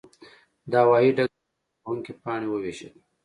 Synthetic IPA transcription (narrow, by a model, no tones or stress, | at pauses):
d̪ɑːwɑːɦiɖa | uŋkipɑːɽiwəweːʃəl